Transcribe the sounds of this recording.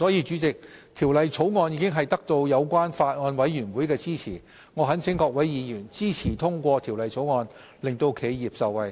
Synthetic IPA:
sɔː˨˥jiː˨˧t͡ʃyː˨˥t͡sɪ˨k̚t̪ʰiː˨˩wlɐ˨jt͡sʰo˨˥wŋɔː˧njiː˧kɪ˥ŋɦɐ˨jt̪ɐ˥k̚t̪o˧wjɐ˨˧wkʷaː˥nfaː˧t̚ŋɔː˧nwɐ˨˥jjyː˨˩nwuː˨˥jkɛː˧t͡siː˥t͡sʰiː˨˩ | ŋɔː˨˧ɦɐ˨˥nsʰɪ˨˥ŋkɔː˧k̚wɐ˨˥jjiː˨˧jyː˨˩nt͡siː˥t͡sʰiː˨˩t̪ʰʊ˥ŋkʷɔː˧t̪ʰiː˨˩wlɐ˨jt͡sʰo˨˥wŋɔː˧n | lɪ˨˩ŋt̪o˧wkʰe˨˧jjiː˨p̚sɐ˨˧wɐ˨˧j

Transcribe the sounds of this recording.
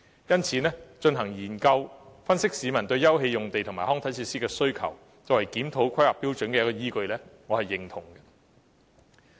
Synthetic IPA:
jɐ˥nt͡sʰiː˨˥nɛː˥t͡ʃɵ˧nɦɐ˨˩ŋjiː˨˩nkɐ˧wfɐ˥nsɪ˥k̚siː˨˧mɐ˨˩nt̪ɵ˧ɥjɐ˥wɦe˧jʊ˨˩ŋt̪e˨jt̪ʰʊ˨˩ŋmaː˨˩hɔː˥ŋt̪ʰjt͡sʰiː˧tsiː˥kɛː˧sɵ˥ɥkʰɐ̰˨˩w | t͡sɔː˨wɐ˨˩jkiː˨˥mt̪ʰo˨˧˥wkʷʰɐ˥jhaː˨pːiː˥wt͡ʃɵ˨˥nkɛː˧jɐ˥kɔ˧jiː˥kɵ˧ɥlɛː˥ŋɔː˨˧hɐ˨jːɪ˨ŋt̪ʰʊ˨˩ŋɡɛ˧

